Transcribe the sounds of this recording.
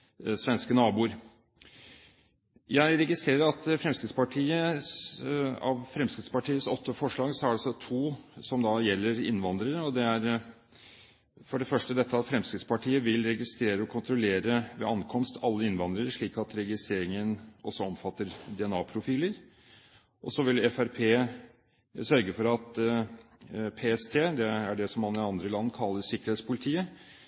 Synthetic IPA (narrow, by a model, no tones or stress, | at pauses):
sʋɛnskənɑːbuːɾ | jæɪɾɛɡɪst̪ɾeːɾəɾɑt̪fɾɛmskɾɪt̪spɑʈʰiːə | ɑ̰ʋfɾɛmskɾɪt̪spɑʈiːəsɔt̪ːəfɔʂɭɑːɡsɔæɖɛsɔt̪ʰuːsɔmd̪ɑjɛlːəɾɪ̰nʋɑnd̪ɾəɾəɔd̪ɛæɾ | fɔɖɛfœʂʈəd̪ɛt̪ːəɑt̪fɾɛmskɾɪt̪spɑʈʰiːəʋɪlɾɛɡɪst̪ɾeːɾəɔkʰʊnt̪ɾʊleːɾəʋɛ̰ɑnkʰɔmst̪ʰɑlːəɪnʋɑnd̪ɾəɾəʂɭiːkɑt̪ɾɛɡɪst̪ɾeːɾɪŋənɔsːɔɔmfɑt̪ːəɾd̪ɛɛnɑːpʰɾʊfiːləɾ | ʔɔsɔʋɪlɛfæɾpʰeː | sœɾɡəfɔɾɑt̪ | pʰeːɛst̪ʰeːd̪ɛæɖɛsɔmhɑnɪɑnd̪ɾəlɑnːkʰɑlːəssɪkːəɾheːt̪spʊlɪt̪ʰiːə